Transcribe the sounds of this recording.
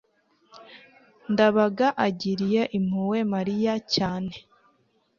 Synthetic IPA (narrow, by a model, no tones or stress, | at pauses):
ndaβaɡaʔaɟiɾije̞ʔim̥huwe̞maɾijacaːne̞